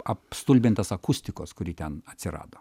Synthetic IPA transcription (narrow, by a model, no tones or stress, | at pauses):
ɐpst̪ulʲbʲɪnt̪ɐsɐkʊsʲt̪ʲɪkoːskʊɾʲiːt̪ʲɛnɐt̪ʲsʲɪɾɑ̰ːd̪oː